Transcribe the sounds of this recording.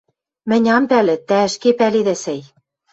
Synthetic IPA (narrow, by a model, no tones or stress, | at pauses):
mɘ̆nʲɑmpælɘ̆t̪æɘ̆ʃkepæliðæsɘj